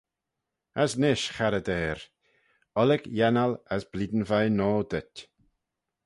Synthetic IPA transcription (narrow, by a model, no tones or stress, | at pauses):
əsnɪʃxaɾəd̪ɛːɾ | ɔlɪɡjɛnaləsbliːd̪n̩vajnɔːd̪ətʲ